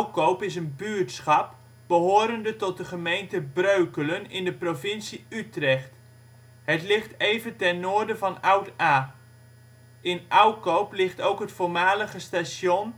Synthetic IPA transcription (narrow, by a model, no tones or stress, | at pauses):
wkowpɪs̬ənbyːɹtsχɑp̚ | b̥əɦoːɾəndətɔt̚dəχəmejntəbrøɥkələnɪndəprovɪnsiytrɛχt | ɦətlɪχtejvəntɛnnoːrdəvɑnʌwtaː | ʔɪnʔʌwkowplɪχtowkɦətfʊːɹmaːləχəstasjɔn